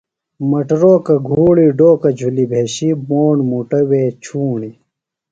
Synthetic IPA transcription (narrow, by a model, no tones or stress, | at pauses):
mɐʈɾoːkɐɡʱuːɭiːɖoːkɐd͡ʑʱulibʱeːɕiboːɳmuʈɐweːt͡ɕʰuːɳi